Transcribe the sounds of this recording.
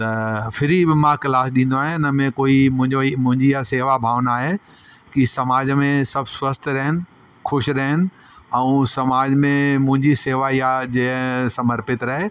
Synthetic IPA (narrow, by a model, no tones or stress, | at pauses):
t̪ɐfɪɾibɪmãklaːsɗĩːn̆d̪oaːɦɪẽɪnəmẽkoːimʊ̃ɦɪ̃ɲd͡ʑoimʊ̃ɦɪ̃ɲd͡ʑijaseːʋabʱaːʋnaːɦe | kisɐmaːd͡ʑmẽsɐbʱswɐst̪ʰɾɐɦɪnɪ̆ | xʰʊʃɾɐɦɪnɪ̆ | ɛũːsɐmaːd͡ʑmẽmʊ̃ɦɪ̃ɲd͡ʑiseːʋajad͡ʑesɐməɾpɪt̪ɾɐɦe